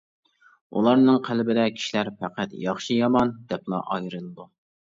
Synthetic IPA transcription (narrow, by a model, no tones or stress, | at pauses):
ṵlˠɑɾnɨŋqʰælbɪd̪ɛkʲʰi̥ʃilæɾpʰæqæt̪jɑχʃijɑmɑnd̪̥ɛplˠɑ̰ʔɑjɾɨlˠɨd̪u